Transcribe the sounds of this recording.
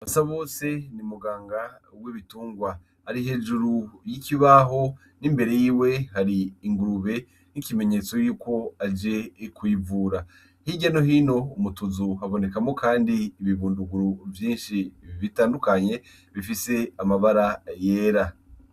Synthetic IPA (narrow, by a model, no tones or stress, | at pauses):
βasaβo̞ːse̞nimuɡaːŋɡa | weβituːŋɡwa | haɾiɦe̞ːʒuɾujikiβaːɦo̞ | nimbe̞ɾe̞jiːwe̞haɾiːŋɡuɾuβe̞ | nikime̞ɲe̞t͡so̞juːko̞ad͡ʒe̞kwiːvuːɾa | hiɟano̞hiːno̞umutuzuaβo̞ne̞kamo̞kaːndiːβiβuːnduɡuɾuvjiːnʃiβiβitaːndukaɲe̞ | βifise̞amaβaɾaje̞ːɾa